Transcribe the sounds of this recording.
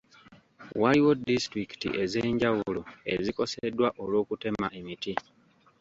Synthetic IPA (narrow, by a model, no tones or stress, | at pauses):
waliwo̞distɾiki̥tḭʔe̞ze̞ːɲɟawulo̰e̞̰ziko̞sedwaʔolwo̞ːkute̞maʔemiti